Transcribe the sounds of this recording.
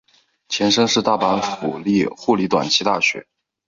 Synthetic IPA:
t͡ɕʰjɛ˧˥nʂɤ˥ŋʂɻ̩˥˧t̪a˥˩pa˧˥nfu˨˩li˥˧xu˥˩li˧˥t̪wa̰˨˩nt͡ɕʰi˥t̪a˥˩ɕɥɛ̰˧˥

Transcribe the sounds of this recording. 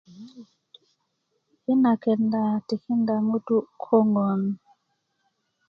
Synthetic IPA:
i˦na˨kɛ˨nda˨ti˨ki˦nda˨ŋu˦tu˦kʰɔ˦ŋɡɔ˨n˨

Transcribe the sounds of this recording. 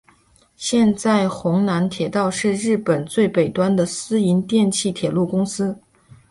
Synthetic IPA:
ɕjɛ˥˧nt͡sa˥˩ɪxʊ˧˥ŋna˧˥nt̪ʰjɛ˨˩t̪ɑ˥˧ʊʂɻ̩˥˧ɻɻ̩˥˩pə˨˩nt͡swe˥˩ɪpe˨˩ɪt̪wa˥nd̪ə˨sɹ̩˥i˧˥nt̪jɛ˥˧nt͡ɕʰi˥˩t̪ʰjɛ˨˩lu˥˩kʊ˥ŋsɹ̩˥

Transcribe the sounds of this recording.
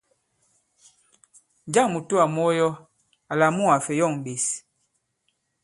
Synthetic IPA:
d͡ʒa˦˨ŋmu˨tu˦a˨mɔ˦jɔ˦ | a˨la˨mu˦˨a˨fɛ˨jɔ˦˨ŋ˨ɓe˨s

